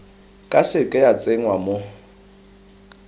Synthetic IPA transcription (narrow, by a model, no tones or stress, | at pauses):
kʼasɪkʼɛjat͡sʼeŋ̩wamo